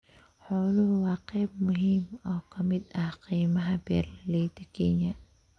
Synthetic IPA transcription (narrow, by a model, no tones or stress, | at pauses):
ħʊlʊhwɑːqɛjb̚mʊɦiːmɔːkʰɐmɪd̪ɐhqiːmɐɦɐbɛ̰ːrlɐlɛjt̪ʰɐkʰɛnjɐ